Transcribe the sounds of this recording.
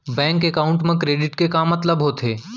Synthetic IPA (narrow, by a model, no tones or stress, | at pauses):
bɛ̃ːŋkekaːʊ̃ɳʈmẽkɾeːɖɪʈkekãmːɐt̪ləbɦot̪ʰeː